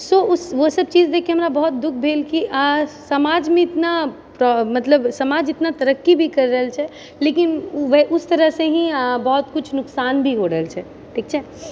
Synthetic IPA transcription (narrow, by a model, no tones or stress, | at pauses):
soʊsʋosəb̚t͡ʃiːzd̪eːkʰiɦɐmɾabɔɦɔt̪̚d̪ʊk̚ʰbʱeːlkiʔsɐmaːd͡ʒmẽɪt̪na | pɾɔmɐt̪ləbsɐmaːd͡ʒɪt̪nat̪ɐɾəkːibʱikɐɾɾəɦəlt͡ʃʰɛ | leːkɪnʋəʔʊst̪ɐɾəɦsẽɦĩbɔɦɔt̪kʊt͡ʃʰnʊksaːnbʱiɦoɾəɦəlt͡ʃʰɛː | ʈʰiːk̚t͡ʃʰɛː